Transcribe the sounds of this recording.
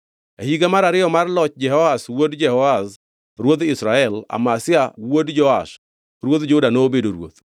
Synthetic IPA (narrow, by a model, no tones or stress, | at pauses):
ahiɡamaɾaɾɪjɔmarlɔt͡ʃd͡ʒɛhɔaswodd͡ʒɛhɔas | ɾwot̪ɪsɾaɛla̰masɪawodd͡ʒɔas | ɾwot̪d͡ʒʊdanoːbedoɾwo̰t̪